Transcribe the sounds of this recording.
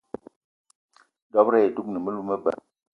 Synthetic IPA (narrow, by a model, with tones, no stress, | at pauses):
dɔ˦pɾɛ˦ɛ˨tu˦k̚nə˨mə˦lu˦mə˦bə̰˨